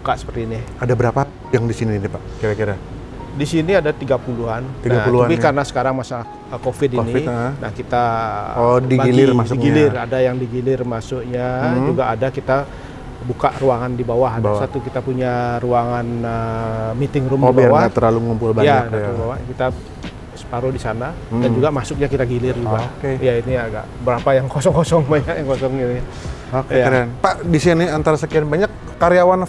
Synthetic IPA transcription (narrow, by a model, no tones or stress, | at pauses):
bukaʔsə̥pərt̪iːniadabəɾapa | jaŋdisiniːnipaʔkiɾakiɾa | disiniadat̪iɡapuluɦant̪iɡauluapɪkarənasə̥kaɾaŋmasala | kofɪtinianahkit̪a | dibailɪrmasʊikɡilɪradajaŋdiɡilɪrmasʊkɲad͡ʒuɡaʔːdakit̪a | bukaʔruaŋandibawaɦabawsat̪ukit̪apuɲaruaŋanəmit̪ɪŋɾʊmibawaat̪ərlaluŋumpʊlbajɲaadaabawahkit̪a | sə̥paɾodisana | dand͡ʒuɡamasʊk̚ɲakit̪aɡilɪrd͡ʒuɡakejainiaɡa̰ʔbəɾapajaŋkosɔŋkɔsɔŋbaɲakjaŋkosɔŋini | okaɾanpaʔdisianiant̪aɾasəkianbaɲakːaɾijawan